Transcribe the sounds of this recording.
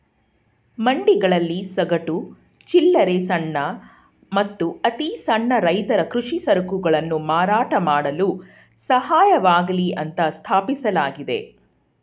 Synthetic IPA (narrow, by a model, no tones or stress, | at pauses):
mɐɳɖiɡɐɭɐlːisɐɡɐʈu | t͡ʃilːɐɾesɐɳːɐ | mɐt̪ːuɐt̪isɐɳːɐɾɐjt̪ɐɾɐkɾuʂisɐɾɐkuɡɐɭɐnːumaːɾaːʈɐmaːɽɐlu | sɐhaːjɐʋaːɡɐliʔɐnt̪ɐst̪ʰaːpisɐlaːɡid̪e̞̰